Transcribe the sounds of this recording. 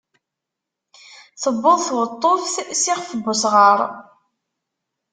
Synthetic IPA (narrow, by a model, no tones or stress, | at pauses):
θəbːəðˤθwət̪ˤːofθsɪʁfəbːʊsʁəɾˤ